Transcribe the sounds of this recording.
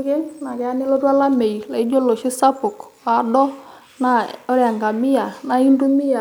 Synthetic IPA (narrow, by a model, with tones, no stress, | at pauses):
kɛ˦na˨kɛ˨˦a˦nɪ˦lɔ˦tu˦a˦la˦me˨jla˨ɪ˦d͡ʒo˦lo˨ʃɪ˦sa˦pʊ˨ka˨dɔ˦ | na˦ɔ˦ɾja˨ŋɡa˨mɪ˦ja˨na˨˦i˦ndu˦mi˦ja˨